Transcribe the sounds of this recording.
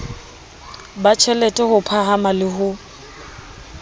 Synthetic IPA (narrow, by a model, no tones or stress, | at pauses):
bat͡ʃʰɛlɛtʼɛhʊpʰaɦamalɪɦʊ